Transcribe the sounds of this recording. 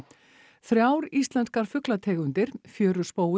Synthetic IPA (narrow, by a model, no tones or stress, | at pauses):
θɾjaːwɾist̪lɛnskaɾ̥fʏklat̪ʰɛːɣʏnt̪ɪɾ̥fjœːɾʏ̥spoːw